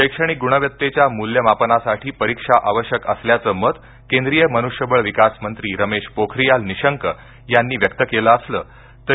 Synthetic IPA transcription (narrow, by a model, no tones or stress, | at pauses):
ɕəjkʂəɽ̃iːɡuɽ̃əʋjət̪ːet͡ɕjamuljəmapənasaʈʰiːpəɾikʂaʔaʋəɕjəkəsljat͡səːməd̪ | kend̪ɾijəmənuʂjəbəɭʋikasmənt̪ɾiːɾəmeɕpokʰɾijalniɕəŋkə | janːiːʋjək̚t̪əkeləəslə̰ː | t̪ə